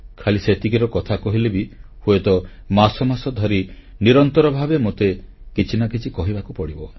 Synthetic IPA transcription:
kʰaliset̪ikiɾɔkɔt̪ʰakɔɦilebihuet̪ɔ | masɔmasɔd̪ʱɔɾi | niɾɔnt̪ɔɾɔbʱabemot̪ekit͡ʃʰinakit͡ʃʰikɔɦibakupɔɽibɔ

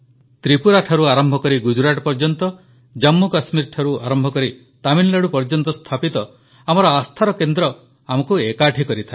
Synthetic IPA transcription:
t̪ɾipuɾaʈʰaɾuaɾɔmbʱɔkɔɾiɡud͡ʒuɾaʈɔpɔɾd͡ʒɔnt̪ɔ | d͡ʒamːukasmiɾʈʰaɾuaɾɔmbʱɔkɔɾi | t̪aminlaɽupɔɾd͡ʒɔnt̪ɔst̪ʰapit̪ɔ | amɔɾɔast̪ʰaɾɔkend̪ɾɔ | amɔkuekaʈʰikɔɾit̪ʰa

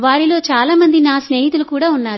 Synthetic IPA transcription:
ʋaːɾilo̞ːt͡ʃaːlaːmɐnd̪inaːsneːɦit̪ulukuːɽaːunːaːɾ

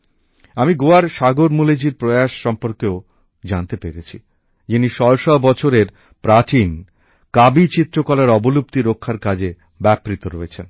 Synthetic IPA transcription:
amiɡoaɾʃaɡoɾmuled͡ʑiɾpɾoeaʃːɔmpoɾkeo | d͡ʑant̪epeɾet͡ɕʰḭ | d͡ʑiniʃɔɾʃɔbɔt͡ɕʰoɾeɾ | pɾat͡ɕin | kabit͡ɕit̪ːɾokɔlaɾɔbolup̚t̪iɾokʰːaɾkad͡ʑe | bɛpɾit̪oɾoet͡ɕʰen

